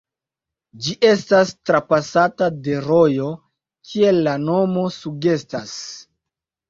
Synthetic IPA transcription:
d͡ʒiʔe̞stastɾapasatade̞ɾo̞jo̞ | kʰie̞lːano̞mo̞suɡe̞stas

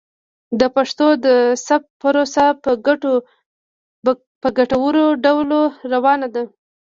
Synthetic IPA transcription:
d̪əpaʂt̪od̪əsap̚pəɾosa | pəɡaʈawəɾoɖawloɾawɑnad̪a

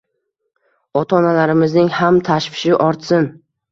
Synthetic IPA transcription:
ɒt̪ʰɒnalaɾɪmɪznɪŋhamt̪ʰaʃfɪ̥ʃɪʔɒɾt̪sɪn

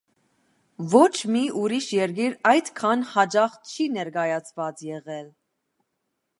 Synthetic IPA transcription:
vɔt͡ʃʰmiuɾiʃjɛɾɡiɾɑjd̪kʰɑnhɑd͡ʒɑχt͡ʃʰinɛɾɡɑjɑt͡sʰvɑt͡sjɛʁɛl

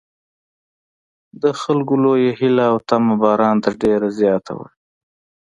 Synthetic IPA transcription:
d̪əxalɡʊlojehɪlaːwt̪amabɑɾɑnt̪əɖeɾazjɑt̪ʰa̰wa̰ɽ

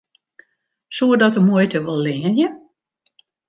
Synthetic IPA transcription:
suədɔtəmuəjtəʋɔlˠːɪːənjə

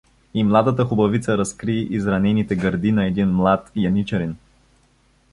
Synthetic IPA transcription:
imlˠad̪ət̪əxʊbɐvit̪səɾɐskɾiizɾɐnɛnit̪ɛɡɐɾd̪inɐɛd̪inmlˠat̪jɐnit͡ʃɛɾin

